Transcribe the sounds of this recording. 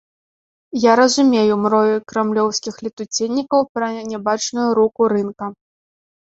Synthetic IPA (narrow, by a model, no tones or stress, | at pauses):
jaɾɐzumʲejumɾɔjukɾɛmlʲɔwsʲkʲixlʲit̪ut͡sʲenʲːikɐwpɾɐnʲabat͡ʂnujuɾukuɾɨnkɐ